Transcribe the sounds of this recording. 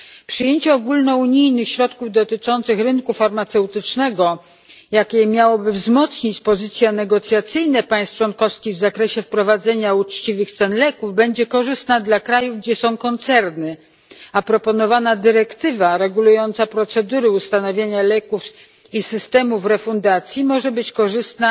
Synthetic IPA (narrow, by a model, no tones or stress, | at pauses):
pʂɘjeɲt͡ɕɛɔɡulnɔuɲijnɘxɕɾɔt̪kuvd̪ɔt̪ɘt͡ʂɔnt̪sɘxɾɘnkufaɾmat̪sɛwt̪ɘt͡ʂnɛɡɔ | jakʲɛmʲjawɔbɘvzmɔt̪sɲit͡ɕpɔzɘt̪sʲjanɛɡɔt̪sʲjat̪sɘjnɛpaj̃st̪̚t͡ʂwɔnkɔfskʲiɣvzakɾɛɕɛfpɾɔvad̪zɛɲaut͡ʂt͡ɕivɘxt̪sɛnlɛkuvbɛɲd͡ʑɛkɔʐɘst̪nad̪lakɾajuvɡd͡ʑɛsɔ̃w̃kɔnt̪sɛɾnɘ | apɾɔpɔnɔvanad̪ɘɾɛkt̪ɘvaɾɛɡulujɔnt̪sapɾɔt̪sɛd̪uɾɘust̪anɔvʲjeɲalɛkuf | isɘst̪ɛmufɾɛfund̪at̪sʲjimɔʐɛbɘt͡ɕkɔʐɘst̪na